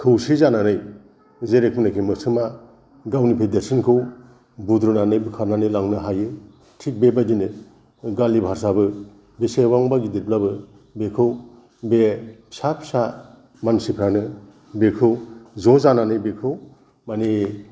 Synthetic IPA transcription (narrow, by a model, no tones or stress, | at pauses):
kʰɯwsizananɯj | zeɾek̚minakʰimɯsʰɯma | ɡawnipʰedeɾsʰinkʰɯw | budɾunanɯjbɯkʰaɾnanɯjlaŋnɯɦajɯ | tʰik̚bebadinɯ | ɡalibʱaɾsabɯ | besewaŋbaɡidiɾp̚labɯ | bekʰɯw | besapʰsa | mansipʰɾanɯ | bekʰɯwzɔzananɯjbekʰɯw | mani